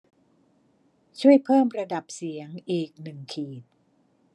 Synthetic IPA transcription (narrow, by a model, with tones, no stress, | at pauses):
t͡ɕʰu˥˩əjpʰɤː˥˩mɾa˧da˨˩p̚si˨˩˦əŋʔiː˨˩k̚nɯ˨˩ŋkʰiː˨˩t̪̚